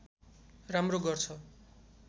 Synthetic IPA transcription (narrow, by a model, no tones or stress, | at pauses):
ramroɡʌrt͡sʰʌ